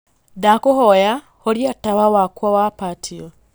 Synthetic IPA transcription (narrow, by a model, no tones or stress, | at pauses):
dakohoja | holjataβawakwawapatʰijo